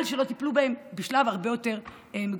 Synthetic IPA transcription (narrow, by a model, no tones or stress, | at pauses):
lʃelo̞t̪iplubaembeʃlavaʁbe̞jo̞te̞ʁ | emeɡ